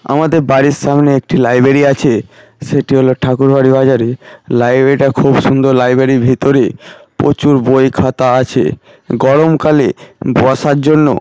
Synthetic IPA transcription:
a̰mad̪eɾbaɾiɾʃamneek̚ʈilajbɾeɾiat͡ɕʰe | ʃeʈiɦoloʈʰakuɾbaɾibad͡ʑaɾilajbɾeɾiʈakʰubʃund̪oɾlajbɾeɾibʱit̪oɾepo̰t͡ɕuɾbojkʰat̪aat͡ɕʰḛ | ɡɔɾomkaleboaʃaɾd͡ʑonːo̰

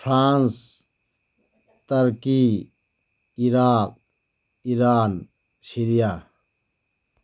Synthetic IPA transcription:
pʰɾaːns | t̪ɐɾki | iɾaːk̚ | iɾaːn | siɾija

